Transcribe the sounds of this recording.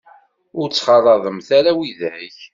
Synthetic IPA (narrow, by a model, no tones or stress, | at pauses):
ʊɾt͡sːχɑrˤɑðˤəmθaɾæwiðʕiç